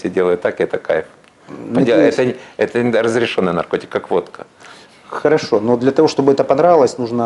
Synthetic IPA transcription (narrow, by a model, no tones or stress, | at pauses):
sʲedʲelˠəjʊt̪ːakɪɛt̪əkajɪf | ndʲeɛt̪əɛt̪ərəzɾʲɪʂonːɨjnɐ̰rkotʲɪ̥kːakvo̞t̪kə | xəɾɐʂo̞nod̪lʲɐt̪ɐvoʂt̪o̞bɨɛt̪əpɐnɾaɪlˠəsʲnuʐnə